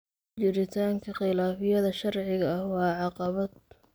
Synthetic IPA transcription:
t͡ʃɪɾɪt̪ʰaːŋkʰɐχɪlaːfɪjɐðɐʃɐrʕɪɣɐɐhwɑːʕɑqɑβɐd̪

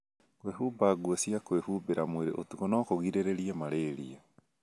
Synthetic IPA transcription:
kwehubaɡuɔsijakwehubeɾamweɾḛʔotukonɔkoɣiɾeɾeɾiamaɾeːɾia

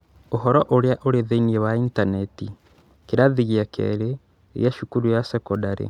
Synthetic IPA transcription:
oɦɔɾɔʔoɾeaʔoɾeðeiniɛwaintanɛti | keɾaðiɣiakʰɛ̰ɾe | eɣjaʃukuɾujasɛkɔdaɾḛ

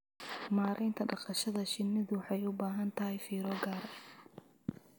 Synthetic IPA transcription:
maːɾʔɛnt̪ʰɐɖɑqɑʃɐðɐʃɪnːɪðʊħɑjʊbaːɦɐnt̪ʰɐɦɛjfiːɾɔɡaːɾɐ

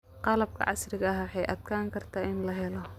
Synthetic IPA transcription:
qɑlɐb̚kʰɐ̰ʕɑ̰srɪɣɐɦwħɑjʔɐ̰d̪kʰaːŋkʰɐrt̪ʰaːɪnlɐɦɛlɔ

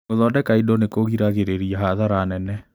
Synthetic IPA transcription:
oðɔdɛkaidɔnekoɣiɾaɣeɾeɾiaɦaðaɾaːnɛnɛ

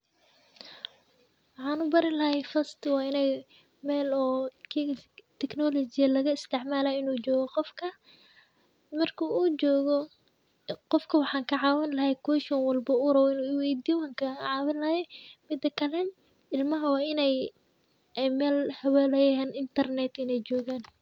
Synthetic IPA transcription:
wɑħɑːnʊbɐɾɪnlɐɦɛjfɐst̪ʰɪwɑːɪnɛj | mɛːlɔːkʰt̪ʰɛknɔlɔt͡ʃɪjɐlɐɣɐɪst̪ʰɛʕmaːlaːɪnuːt͡ʃɔːɣɔqɔfkʰɐ | mɐrkʰuːuːt͡ʃɔːɣɔ | qɔfkʰɐwɑħɑːŋkʰɐʕɑːwɪnlɐɦɛjkʰuːʃɔnwɐlbɐʊɾɐwɔɪnuːwɛjd̪iːwaːŋkʰɐʕɑːwɪnlɐhɛmɪd̪ɐkʰɐlɛn | ɪlmɐɦɐwɑːɪnɛj | ɛmɛːlhɐwɛːlɛjɐɛːnɪnt̪ʰɐrnɛt̪ɪnɛjt͡ʃɔːɣaːn

